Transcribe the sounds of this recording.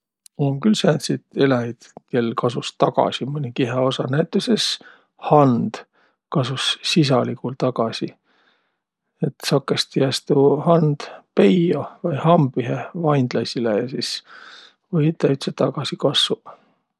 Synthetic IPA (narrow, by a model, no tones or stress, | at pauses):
oŋkylsænt̪sit̪elæid̪̥ke̞lkʰɑsust̪ɑɡ̥ɑ̰simɤnʲikiɦeo̞sɑnæjt̪ːˑuses | hɑnd̪̥ | kɑsusːis̬ɑlikult̪ɑɡɑsi | et̪sɑkːˑest̪ijæst̪uhɑnd̪̥pe̞jovɑjhɑmbiɦevɑjnd̪̥lɑsʲilejɑsis | vɤjt̪ːˑæyt̪set̪ɑɡɑsikɑsːu